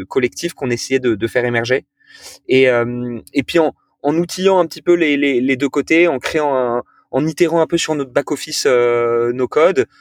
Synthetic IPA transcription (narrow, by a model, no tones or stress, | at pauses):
kɔlɛk̚t̪ʰifkɔ̃nesɛjɛd̪əd̪əfɛʁemɛʁʒe | eømepɥiɑ̃ | ɑ̃nut̪ʰijɑ̃ɛ̃pət̪ipøleleled̪økot̪eɑ̃kχeɑ̃ɛ̃ː | nit̪eʁɑ̃ɛ̃pøsyʁnɔt̪χbakɔfisønokɔd̪